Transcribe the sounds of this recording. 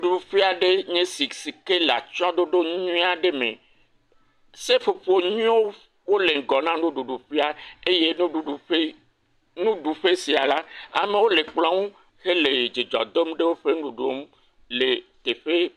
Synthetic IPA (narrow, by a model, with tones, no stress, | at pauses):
ɖu˨ɖu˨ɸi˦a˨ɖe˦ɲẽ˦si˨si˨ke˦la̰˨t͡ʃɔ̃˦d̪o˦ɖo˦ɲũ˦a˨ɖe˦mḛ̃˨ | se˦fo˨ɸo˨ɲũ˦o˦ | wo˦le˨ŋ˨ɡɔ˨nã˦nũ˦ɖu˨ɖu˨ɸi˦a˦e˦je˦nũ˦ɖu˦ɖu˨e˦ | nũ˦ɖu˨ɸe˦si˨a˨la˦a̰˨mẽ˦wo˦le˨k͡plɔ̃˦wo˦ | xe˦le˨d͡ʒi˨d͡ʒɔ̰˨d̪o˦m˦ɖe˦wo˦ɸe˦nũ˨ɖo˦m˦ | le˨t̪e˨ɸe˦